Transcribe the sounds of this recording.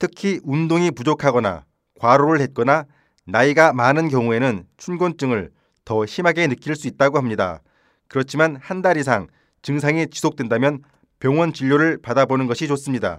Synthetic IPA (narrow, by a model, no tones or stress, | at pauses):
tʰɯkʰiʔundoŋipud͡ʑokʰaɡʌna̰ | kwaɾoɾɯɭhet̚k͈ʌna | naiɡamanɯnkjʌŋue̞nɯnt͡ɕʰunɡont͡ɕ͈ɯŋɯɭ | tʌɕʰimɦaɡe̞nɯk͈iɭs͈uit̚t͈aɡohamɲida̰ | kɯɾʌt͡ɕʰimanhandaɾis̬ʰaŋ | t͡ɕɯŋsʰaŋit͡ɕi̥sʰok̚t͈wendamjʌn | pjʌŋwʌnt͡ɕiʎːoɾɯɭpadabonɯnɡʌɕʰit͡ɕos͈ɯmɲida̰